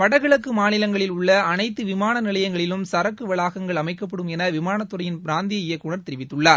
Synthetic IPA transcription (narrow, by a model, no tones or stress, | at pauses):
pɐɽɐɣɪɭɐkːɯmaːnɪlɐŋɡɐɭɪlʊɭːɐɐnɐɪt̪ːɯʋɪmaːnɐnɪlɐjɐŋɡɐɭɪlɯmsɐɾɐkːɯʋɐɭaːɣɐŋɡɐɭɐmɐɪkːɐp̬ːɐɽɯmɛnɐʋɪmaːnɐt̪ːɯɾɐjɪnpɪɾaːnd̪ɪjɐɪjɐkːʊɳɐɾt̪ɪɾɪʋɪt̪ːɯɭːaːɾ